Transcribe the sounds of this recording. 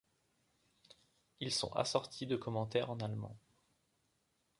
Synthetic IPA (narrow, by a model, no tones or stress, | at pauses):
ilsɔ̰̃ʔa̰sɔʁt̪ʰid̪əkɔmɑ̃t̪ɛʁɑ̃nalmɑ̰̃